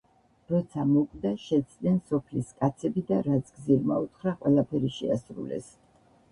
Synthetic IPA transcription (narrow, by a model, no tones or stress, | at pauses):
ɾɔt̪sʰamɔkʼd̪aʃɛt̪sʰʼd̪nɛnsɔpʰliskʼat̪sʰɛbid̪aɾat̪sʰɡziɾma̰ut̪χɾaqʼwɛlˠapʰɛɾiʃɛasɾṵlɛ̰s